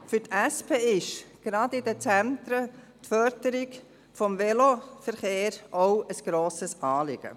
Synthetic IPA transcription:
fʏtæspʰeːɪʃɡ̥ɾɑdɪdət͡sænt̪ɾə | t̪fœɾdəɾɪɡ | fɔmvɛlofəɾχeːɾɔʊəsɡ̥ɾoːsəsɑːlɪ̰ɡ̥ə̰

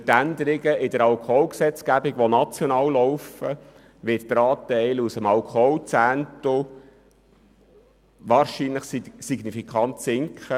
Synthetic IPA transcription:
tænd̪əɾɪɡəɪdəɾɑlkʰɔlksɛt͡sɡ̥æbɪɡʋonɑt͡sjɔnɑːwlɔʊwfə | ʋɪtt̪ɾɑːtɛɪlusəmɑlkʰɔlt͡sænt̪o | ʋɑːɾʃiːnləχssiɡnifikʰɑntsɪŋkχə

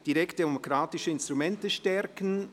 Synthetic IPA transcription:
d̥iɾɛkt̚demokɾaːtɪʃəɪnst̪ɾumɛntəʃtɛɾkn̩

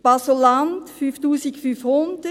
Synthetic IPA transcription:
b̥asolantfyftuːsɪkfyfhʊnd̪̥ə

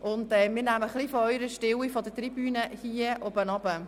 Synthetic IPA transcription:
ʔʊndɛmɪːɾnæməχlifɔœʏɾəʃtɪwifɔdətribyːnəhiəʔobənɑb̥ə

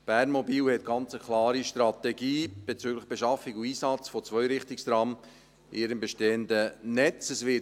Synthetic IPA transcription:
b̥æːrnmɔbiːwhɛt̚ɡ̥ɑnt͡səkʰlɑːɾiʃtɾɑtɛɡiːb̥ɛt͡syːɡləχb̥eʃɑfɪkuiːsɑt͡sfɔt͡svœʏɾɪχtɪkstɾɑm | ʔɪːɾəmbeʃteːəndənɛt͡səsvɪ

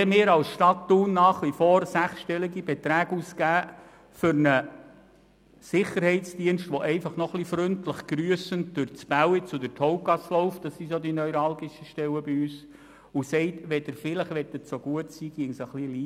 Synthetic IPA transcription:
ɛmɪːɾɑlsʃtɑtːuːnːɑːχʋifɔːɾsæχsʃtɛliɡibɛt̪ɾæːɡuːskæː | fʏɾnə | sɪχəɾhɛɪtt͡sd̥iənʃtʋɔʔɛɪfɑχnɔχlifɾɵntləχɡ̥ɾyəsən̚d̥ʊɾt͡sb̥æwit͡sʊdətʰɔʊkɑsloʊfd̥̪ɑsːisod̪inœʏɾɑlɡɪʃəʃtɛwəbiyːs | ʊsɛɪtʋɛdəɾfɪləχʋɛt̪ətt͡soɡuətsiːɡ̥iəŋsəχliliː

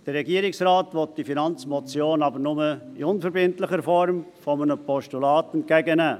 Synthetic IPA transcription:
d̥əɾːɛɡiəɾɪksrɑːtʋɔt̚d̥ifinɑnt͡smɔt͡sjoːnɑbəɾnʊməɪʊnfəɾbɪntləχəɾfɔɾmfɔmənəpɔʃtulɑːtɛntkæɡənæː

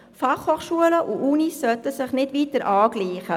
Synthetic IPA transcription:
fɑχhoːχʃuələʔuʔunisːœt̪əsɪχnɪtʋiːtəɾʔɑːɡ̥liːχə

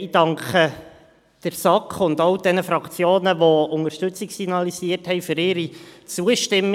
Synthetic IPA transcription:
id̥ɑŋkχə | d̥əɾsɑkχʊndɔwd̥ɛnəfɾɑkt͡sjoːnəʋɔʊŋəɾʃtɵt͡siksiɡnɑlisiərthɛɪfʏɾɪɾit͡suəʃtɪmː

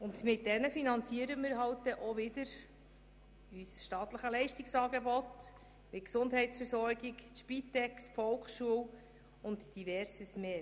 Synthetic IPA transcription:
ʊndmɪt̚d̥ɛnəfinɑnt͡siəɾəmɪːɾɦɑwt̚d̪ɛʔoʋɪdəɾ | ysʃtɑːtləχəlɛɪʃtiksɑːɡebɔt | mɪksʊndɦɛɪtsfɛɾsɔɾɡɪkʃpit̪ːɛksfɔlkχʃuəw | ʊntd̥ivɛɾsəsmeː

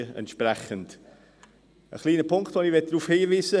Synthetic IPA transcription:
əɛ̰ntʃpɾɛχənd | ə̰χliːnəpʰʊŋktvoːnivɛt̚d̥ɾuːfhiːviːzə

